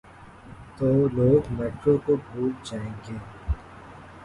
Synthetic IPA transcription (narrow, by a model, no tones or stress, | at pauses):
t̪oːloːɡmeːʈɾokobʱuːɾd͡ʒaːẽːɡeː